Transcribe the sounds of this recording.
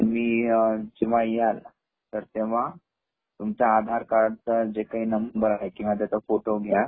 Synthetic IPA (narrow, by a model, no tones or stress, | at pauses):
miːd͡ʑiʋajjal | t̪əɾt̪eʋ̤a | t̪umt͡ɕaːd̪ʱaɾkaɾɖt͡səd͡ʑekaɦiːnəmbunbəɾaɦekũʋat̪̬jat͡safoʈoɡʱja